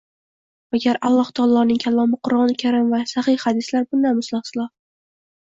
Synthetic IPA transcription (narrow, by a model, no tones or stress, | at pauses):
aɡʲaɾalˠːɒht̪ʰɒlˠɒnɪŋkʰʲalˠːɒmɪqʰʊɾɒnkʲʰaɾɪmvasahɪhhad̪ɪslaɾbʊnd̪anmʊslˠɑχsɪlˠɒ